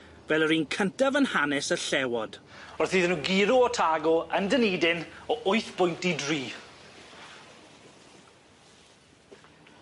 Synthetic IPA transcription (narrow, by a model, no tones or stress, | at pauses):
vɛlˠəɾiːnkʰəntavənhanɛsəɬɛwɔd̥ | ɔrθiːðnuːɡiɾʊɔtʰaɡɔəndəniːdɪnɔʔʊɨθb̥ʊjntidriː